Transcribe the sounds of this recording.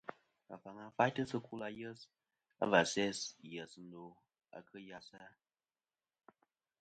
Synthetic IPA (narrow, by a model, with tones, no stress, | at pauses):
a̰˨fa˨ŋa˨pa˦jtə˦sə˦ku˦la˨jə˦s | a̰˦va˨sɛ˦sjə˨sn̩˦do˨ | a̰˨kə˦ja˨sa˦